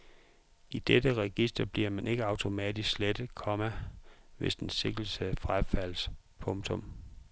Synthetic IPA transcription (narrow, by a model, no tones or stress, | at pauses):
ʔid̥ed̥əʁɛɡ̥isd̥ɐb̥liɐ̰mænʔe̝ɡ̥əɑ̈ʊt͡sʰo̝mɛːd̥isɡ̥sled̥kʰɒ̽mæʋe̝sd̥en̩se̝ɡ̥l̩səfʁafæl̰s | pʰɔ̽ŋt͡sʰɔ̽m